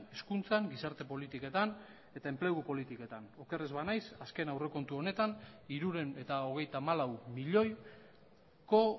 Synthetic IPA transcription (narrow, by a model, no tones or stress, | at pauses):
eskunt͡saŋɡisaɾt̪e̞po̞lit̪ike̞t̪an | e̞t̪aempleɣupo̞lit̪ike̞t̪ano̞ke̞re̞zβanajsaske̞nawre̞ko̞nt̪uo̞ne̞t̪aniɾuɾe̞ne̞t̪ao̞ɣ̞e̞jt̪amalawmiʎo̞j | ko̞